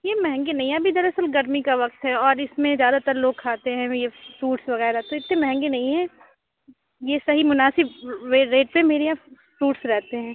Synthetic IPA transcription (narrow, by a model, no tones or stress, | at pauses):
jeːmɛɦɛ̃ŋɡenɐɦĩɦɛɐbʱid̪ɐɾɐsəlɡɐɾmikaʋɐq̚t̪ɦɛɔːɾɪsmẽzjaːd̪at̪əɾloːɡ̚kʰaːt̪eɦɛ̃jefɾuːʈsʋɐɣɛːɾat̪oɪt̪nẽmɛɦɛ̃ŋɡenɐɦĩɦɛ̃ː | jesɐɦimʊnaːsɪbʋeːɾeːʈ̚pemeːɾea | fɾuːʈsɾɛɦt̪eɦɛ̃ː